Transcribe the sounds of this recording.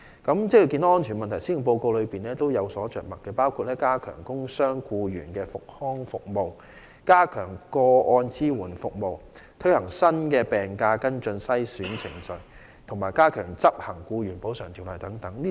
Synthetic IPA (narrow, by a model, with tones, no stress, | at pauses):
kɐ˨˥mt͡sɛ˥kji˧ki˧n˦˥ɔː˥nt͡ʃʰyː˨˩nmɐ˨nt̪ʰɐ˨˩jsiː˥jʊ˨˩ŋpo˧wko˧wlɵ˨˧ɥpiː˨nlɛː˥t̪o˥wjɐ˨˧wsɔː˨˥t͡ʃœ̰ː˨k̚mɐ˨t̚kːɛː˧paː˥wkʰu˧t̚lɛː˥kaː˥kʰœ̰ː˨˩ŋkʊ˥ŋsœː˥ŋkuː˧ɥy̰ː˨˩nkɛː˧fʊ˨k̚hɔː˥ŋfʊ˨k̚mo˨w | kaː˥kʰœː˨˩ŋkɔː˧ʔɔː˧nt͡siː˥wuː˨˩nfʊ˨k̚mo˨wt̪ʰɵ˥ɥhɐ˨˩ŋsɐ˥nkɛː˧pɛː˨˩ŋkaː˧kɐ˥nt͡ʃɵ˧nsɐ˥jsyː˨˥nt͡sʰɪ˨˩ŋt͡sɵ˨˧ɥ | t̪ʰʊ˨˩ŋmaː˨˩jkaː˥kʰœː˨˩ŋt͡sɐ˥p̚hɐ˨˩ŋkuː˧ɥyː˨˩npo˨˥wsœː˨˩ŋt̪ʰi˨˩wlɐ˨jt̪ɐ˨˥ŋt̪ɐ˨˥ŋli˥